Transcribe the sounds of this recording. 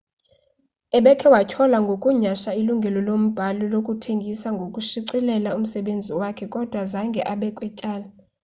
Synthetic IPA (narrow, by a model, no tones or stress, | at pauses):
ɛɓɛkʰɛwacʰɔlaŋɡʱokʼuɲaʃailuŋɡʱɛlɔlom̩b̥ʱalɔlokʼutʰeŋɡʱisaŋɡʱokʼuʃiǀilɛlaum̩sɛɓend͡zʱiwakʰɛkʼɔd̥ʱwazaŋɡʱɛʔaɓɛkʼwɛcʼaːla